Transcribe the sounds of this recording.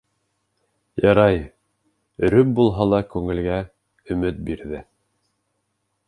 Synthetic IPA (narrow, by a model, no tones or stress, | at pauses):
jɑɾɑj | ɵ̆ɾɵp̚bulˠɦɑlˠɑkʉŋɘ̆lɡæ | ɵ̆mɘt̪̚biɾðɘ